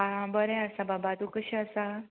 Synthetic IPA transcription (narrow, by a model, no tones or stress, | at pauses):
abəɾẽəsababad̪ukəɕiəsa